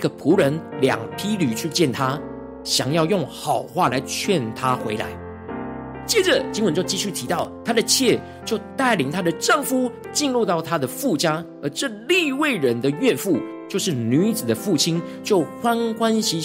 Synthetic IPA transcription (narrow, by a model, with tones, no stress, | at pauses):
i˥ɡə˨pʰu˧˥ɻə˧˦nljɑ̰˨˩ŋpʰi˥ly˨˩t͡ɕʰy˥˧t͡ɕjɛ˥˨nt̪ʰa˦ | ɕjɑ˨˩ŋjɑ˥˧ʊjʊ˥˩ŋxɑ˨˩ʊxwa˥˩la˨˥ɪt͡ɕʰɥɛ˥˨nt̪ʰa˥˦xwe˧˥ɪla̰˧˦ɪ | t͡ɕjɛ˥˩ʈ͡ʂə˨˩t͡ɕi˥ŋwə˧˦nt͡ɕo˥˧ʊt͡ɕi˥˧ɕy˥˩t̪ʰi˧˥t̪ɑ˥˩ʊt̪ʰa˥d̪ə˨t͡ɕʰjɛ˥˧˨ | t͡ɕjo˥˧ʊt̪a˥˩ɪli˧˩ŋt̪ʰa˥d̪ə˨ʈ͡ʂɤ˥˩ŋfu˥˩ | t͡ɕi˥˧nlu˥˧t̪ɑ˥˩ʊt̪ʰa˥d̪ə˨fu˥˩t͡ɕja˥ | ə˞˨˧˥ʈ͡ʂɤ˥˧li˥˧we˥˩ɪɻə˦˥nd̪ə˨ɥɛ˥˧nfu˥˩ | t͡ɕjo˥˧ʊʂɻ̩˥˩ny˧˥d͡z̩˨˩d̪ə˦fu˥˩t͡ɕʰi˥n | t͡ɕjo˥˩ʊxwa˦nkwa˦nɕi˧˥